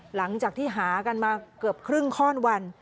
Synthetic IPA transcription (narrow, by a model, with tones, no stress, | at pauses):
la˩˦ŋt͡ɕaː˨˩k̚t̪ʰiː˥˩ɦaː˩˦ka˧nmaː˧kɤ˨˩əp̚kʰɾɯ˥˩ŋkʰɔː˥˩nwa˧n